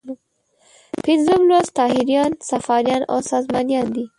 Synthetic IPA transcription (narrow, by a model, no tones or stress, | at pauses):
pɪnzublost̪ɑːɦiɾjɑnsafɑɾjɑno̰sɑzmɑnjɑnd̪i